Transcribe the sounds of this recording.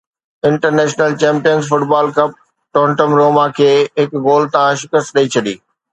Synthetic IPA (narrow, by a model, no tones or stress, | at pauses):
ɪ̃ɳʈəɾneːʃnəlt͡ɕẽːmpijənzfʊʈbaːlkɐp̚ | ʈõːɳʈəmɾoːmakʰeːɦɪkɡoːlt̪ãʃɪkəst̪ɗɐit͡ɕʰɐɗiː